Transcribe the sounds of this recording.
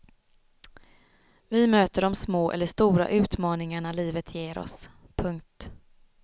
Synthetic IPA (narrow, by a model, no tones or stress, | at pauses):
vɪmøːt̪əɖɔmsmoːʔɛ̰lːəʂt̪uːɾa̰ʔʉ̟ːt̪mɑːnɪŋaɳaliːvət̪ʰjeːɾʔɔ̰s | pʰɵŋk̚t̪